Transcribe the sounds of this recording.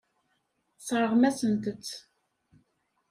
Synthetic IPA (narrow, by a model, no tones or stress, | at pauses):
sˤɾˤəʁmæsənt̪ət͡st͡sː